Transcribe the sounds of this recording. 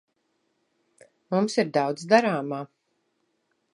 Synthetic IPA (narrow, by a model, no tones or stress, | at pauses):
mumsiɾd̪awd̪zd̪aɾaːmaː